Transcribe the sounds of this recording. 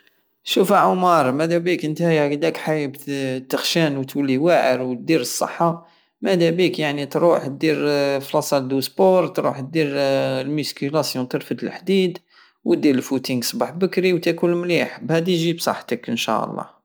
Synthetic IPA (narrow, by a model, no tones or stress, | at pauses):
ʃufæʕʊmɑɾˤmæd̪æbikʔənt̪hæjkd̪ækħajbt̪əxʃænwt̪wəlːiwaʕəɾwt̪̚d̪iɾəsˤːə̰ħːɑ | mæd̪æbikjaʕnit̪ɾuħt̪̚d̪iɾflɑsˤɑld̪uspoɾˤt̪ɾuħt̪̚d̪iɾlmiskilæsjũt̪əɾfət̪əlħd̪id̪ | wət̪̚d̪iɾəlfut̪iŋɡsˤbɑħbəkɾiwt̪ækunmliħbhæd̪iʒibsˤɑ̰ħt̪əkənʃæ̰ʔə̰lˤːɑ̰